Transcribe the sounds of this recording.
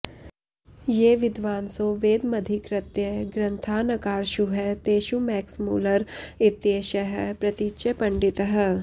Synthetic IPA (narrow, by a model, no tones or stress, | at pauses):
jeːʋɪd̪ʋaːnsoːʋeːd̪mɐd̪ʱikɾɐt̪jɐɡɾɐ̃nt̪ʰaːnɐkaːɾʃuɦɛt̪eːʃumɛːksmuːləɾɪt̪jeːʃɐɦəpɾɐt̪iʃepɐ̃ɳɖɪt̪ɦə